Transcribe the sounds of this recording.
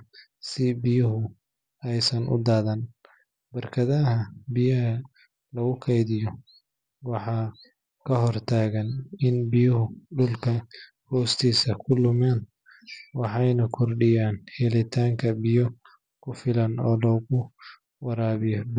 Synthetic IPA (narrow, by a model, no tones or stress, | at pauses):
sɪbɪjʊɦʊ | ɛjsɐnʔʊ̰d̪aːðɐn | bɐrkʰɐðɐɦɐbɪjɐɦɐ | lɐɣʊkʰɛjðɪjɔ | wɑħɑː | kʰɐɦɔrt̪ʰaːɣɐnɪnbɪjʊɦʊɖʊlkʰɐ | hɔːst̪ʰiːsɐkʰʊlʊmɛːn | wɑħɑjnɐkʰɔrɖɪjaːnhɛlɪt̪ʰaːŋkʰɐbɪjɔ | kʰʊfɪlɐnɔːlɔːɣʊ | wɐɾaːβɪjɔb